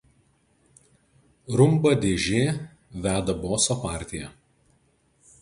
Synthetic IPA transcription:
ɾʊmbɐd̪ʲeːʒʲeː | ʋʲæːd̪ɐboːsopɑːˑɾʲt̪ʲɪjɛ

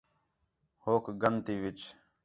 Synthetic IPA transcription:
hoːkɡənt̪iːʋɪt͡ʃ

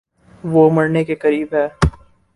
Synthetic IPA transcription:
ʋomɐɽnekekɐɾiːbɦɛː

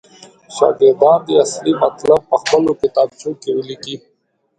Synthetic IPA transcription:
ʃɑ̰ːɡɪɾd̪ɑːnd̪iaslimɐt̪lab̚pəxpəlokɪt̪ɑb̚t͡ʃokewəliki

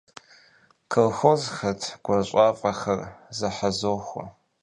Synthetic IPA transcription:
kʰolxozxɐtʰɡ̥ʷɐɕʷʼaːfʼɐxɐrzɐħazoːxʷɐ̰

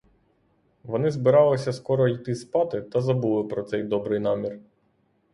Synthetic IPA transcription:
ʋɔnɪzbɪɾɑlˠɪsʲɐskɔɾɔit̪ɪspɑt̪ɪt̪ɐzɐbulˠɪpɾɔt̪sɛjd̪ɔbɾɪjnɑmʲir

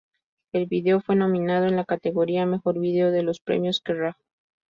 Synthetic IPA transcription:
e̞lβiðe̞o̞fwe̞no̞mĩnað̞o̞e̞nlakat̪e̞ɣo̞ɾiame̞xo̞ɾβiðeoðe̞lo̞spɾḛmjo̞skerax

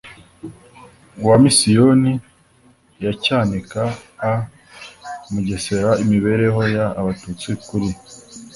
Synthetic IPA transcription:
wamisijoni | jacaːnikaː | muɟe̞se̞ɾaimiβe̞ɾe̞ho̞jaβatut͡sikuɾi

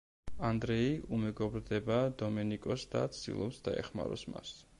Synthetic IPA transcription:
and̪ɾɛiʔumɛɡɔbɾd̪ɛbad̪ɔmɛnikʼɔsd̪a̰t̪sʰd̪̥ḭlˠɔpsd̪aɛ̰χma̰ɾɔsma̰s

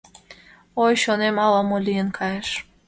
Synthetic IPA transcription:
ojʃonemɑlɑmolijənkʰɑjeʃ

